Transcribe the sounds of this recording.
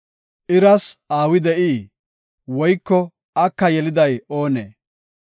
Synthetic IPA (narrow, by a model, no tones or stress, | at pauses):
ʔɪɾɐsaːwɪd̪ɛʔiː | wɔjkːɔ | ʔɐkːɐjɛlɪd̪ɐjo̞ːnḛː